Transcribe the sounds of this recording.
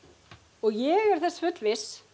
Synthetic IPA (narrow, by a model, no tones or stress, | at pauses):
ɔɣjɛɣɛɾ̥θɛsːfʏt̪lvɪs